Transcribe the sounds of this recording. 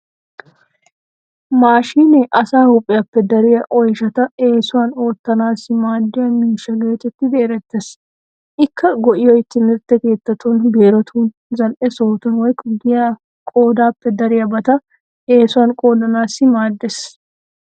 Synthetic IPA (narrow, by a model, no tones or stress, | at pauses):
maːʃiːnɛʔɐsaːhʊpʼːɪjɐpːɛd̪ɐɾɪjɐʔɔjʃɐt̪ɐeːsʊwaːno̞ːt̪ːɐnaːsɪmaːd̪ːɪjɐmiːʃɐleːt̪ɛt̪ːɪd̪eːɾɛt̪ːes | ʔɪkːɐɡɔʔɪjɔjɪt̪ːɪnɪɾt̪ːɛke̞ːt̪ːɐt̪unbeːɾɔt̪ʰuːn | zɐlʔɛso̞ːt̪ɐnwɔjkʼɡɪja | kʼo̞ːd̪aːpːɛd̪ɐɾɪjɐbɐt̪ɐ | eːsʊwaːnkʼo̞ːd̪ɐnaːsɪmaːd̪ːes